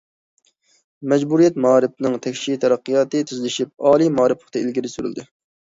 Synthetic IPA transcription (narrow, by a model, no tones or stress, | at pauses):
mɛd͡ʒbuɾijɛt̪̚mɑːɾɨp̚nɨŋt̪ʰɛkʲʃit̪ʰɛɾɑqːijɑːt̪ɨt̪ʰyzlɪʃip̚ɑːlˠijmɑːɾɨpʰlˠəχt̪ɑilɡʲiɾɪsyɾy̰ld̪ɪ